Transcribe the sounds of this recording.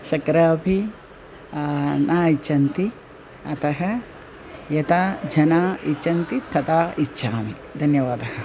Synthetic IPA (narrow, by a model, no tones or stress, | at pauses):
ʃɐkɾɐːpi | nʔaːit͡ʃːɐnt̪i | ɐt̪ɐɦɐ | jɐt̪aːd͡ʒɐnaːit͡ʃːɐnt̪it̪ʰːɐt̪aːit͡ʃːʃʰaːmi | d̪ʱɐnjɐʋaːd̪ɐhɐ